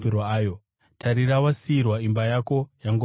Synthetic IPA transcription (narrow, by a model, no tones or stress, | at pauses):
iɾoaːjo | tʰaɾiɾawasiirwaimbajako̞jaŋɡo